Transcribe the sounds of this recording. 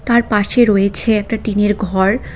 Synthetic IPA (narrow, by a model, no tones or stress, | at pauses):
t̪aɾpaʃeɾojet͡ɕʰeɛk̚ʈaʈineɾɡʱɔɾ